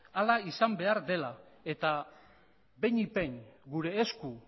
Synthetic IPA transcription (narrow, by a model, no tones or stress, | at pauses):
alaisambe̞aɾd̪e̞lae̞t̪a | be̞ɲipe̞nɡuɾe̞ːsku